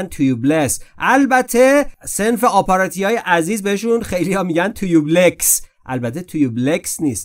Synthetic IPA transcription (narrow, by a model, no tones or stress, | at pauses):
nt̪ʰujublesʔælbæt̪ʰe̞se̞nfeɒːpʰɑɾɒt̪ʰijɒːje̞ʔæziːzbeeʃunxe̞jlijɒːmiɟænt̪ʰujubleksʔæ̰lbæt̪ʰe̞t̪ʰujubleksniːst̪